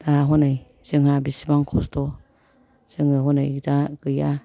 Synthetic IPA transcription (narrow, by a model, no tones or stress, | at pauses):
d̥aɦɔnɯj | z̥ɯŋhabisibaŋkʰɔstɔ | z̥ɯŋɯɦɔnɯ̰jdaɡɯja